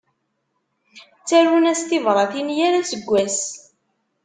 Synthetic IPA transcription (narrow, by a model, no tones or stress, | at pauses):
t͡sːærunæst̪ɪvɾˤɑθinjæɾæsəɡʷːæs